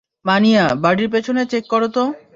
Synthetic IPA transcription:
manijabaɖiɾp̬et͡ɕʰonet͡ɕekːɔɾot̪o

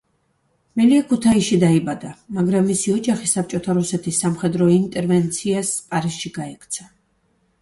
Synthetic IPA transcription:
mɛliakʰut̪ʰaiʃid̪aibad̪amaɡɾamːisiɔd͡ʒaχisap̚t͡ʃʼɔt̪ʰaɾusɛt̪ʰisːamχɛd̪ɾɔint̪ʼɛɾvɛnt̪sʰiaspʼaɾisʃiɡaɛkʰt̪sʰa

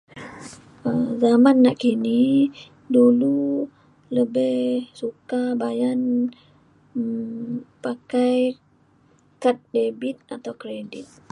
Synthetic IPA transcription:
əzamanːaʔkini | dulu | ləbɪhsukabajan | pakaj | kat̪̚debit̪̚at̪awkɾedɪt̪̚

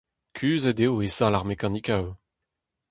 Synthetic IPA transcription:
kʲʰyːzed̪eoesãlaʁmekãnikaw

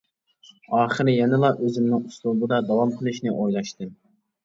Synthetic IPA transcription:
ɑːχɨɾɪjɛnɨlˠɑʔøzɪmnɪŋuslˠulˠd̪ɨd̪ɑd̪ɑwɑmqʰəlˠɨʃnɪʔojlˠɑʃt̪ɨ

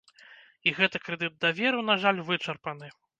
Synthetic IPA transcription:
iɣɛt̪ɐkɾɛd̪ɨd̪̚d̪ɐvʲɛɾɨn̪aʐalʲvɨt͡ʂɐrpɐnɨ

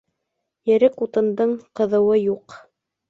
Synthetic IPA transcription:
jɘ̆ɾɘkut̪ɤ̆nd̪ɤɴqɤ̆ðɤ̆wɤjuq

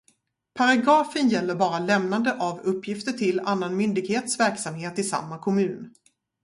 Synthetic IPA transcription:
pʰaɾaɡɑːfənjɛlːəɾbɑːɾalɛmnand̪əʔavɵpʰːjɪft̪əʈʰɪla̰nːanmʏnd̪ɪɡheːt̪svæɾksamheːt̪ɪsa̰mːakʰɔmʉ̟ːn

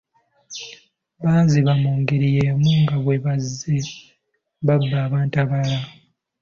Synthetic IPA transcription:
βaːziβamoːŋɡeɾijeːmuːŋɡaβwe̞βazːe | βabːaːβaːntaβala

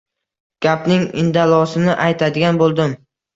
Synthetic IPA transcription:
ɡ̥ʲapnɪŋɪ̰nd̪alˠɒsɪnɪʔajt̪ʰad̪ɪɡʲanbolˠd̪ɪm

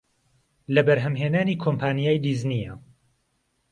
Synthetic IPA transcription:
lɐbɐɾɦɐmɦeːnaːniːkʰoːmpʰaːnijaːjd̪iːznijɐ

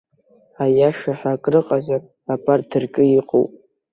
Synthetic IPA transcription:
ajaʂaħakʼrɨqʼazar | apʰʼardɨrkʼɨiqʼo̰wpʼ

